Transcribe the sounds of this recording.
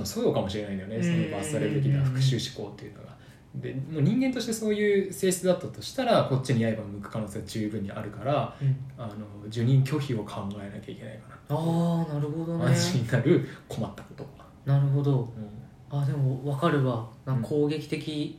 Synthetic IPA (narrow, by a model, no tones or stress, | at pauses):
mosojokamo̞ɕiɾe̞naid̪ajonesonobasɨaɾeɯt̪ekʲiɲiaɸɯ̟kɯ̟̥ɕɨːɕi̥ko̞ːt̪ːe̞iɯ̟no̞̰ɡa | d̪e̞moːɲ̟ĩŋɡent̪o̞ɕi̥t̪e̞so̞ːjɯːse̞ːɕi̥t͡sɨd̪at̪ːat̪o̞ɕi̥t̪aɾako̞t͡ɕːiɲ̟iaebamɯ̟kɯ̟̥kano̞ːseːɡat͡ɕɨːbɯ̟̃ɲ̟ːiʔa̰ɾɯ̟kaɾaano̞d͡ʑɨɲ̟ĩŋkʲo̞çio̞kʰãŋɡae̞nakʲaikʲe̞na̰ikaɾaanaɾɯ̟ho̞d̪onãɕiɲinaɾɯ̟kʰo̞mat̪ːḁko̞̥t̪o̞ka | naɾɯ̟ɦo̞d̪o̞ɯ̃ː | aːd̪e̞moβakaɾɯ̟βanãŋko̞ːɡe̞kʲi̥t̪e̞kʲi